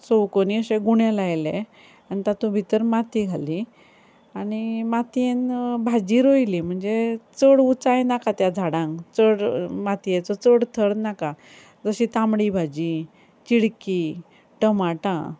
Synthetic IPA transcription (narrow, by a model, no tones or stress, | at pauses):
sowkoniəɕeɡuɳjelajle | anit̪at̪ũbʱit̪əɾmat̪iɡʱali | aɽ̃imat̪ienbʱad͡ʑiɾojlim̤əɳd͡zet͡səɽut͡sajnakat̪jad͡zʱaɽãŋt͡səɽmat̪ijet͡sɔt͡səɽt̪ʰəɽnaka | d͡zəɕit̪ãmɽibʱad͡ʑi | t͡ɕiɽki | ʈəmaʈã̰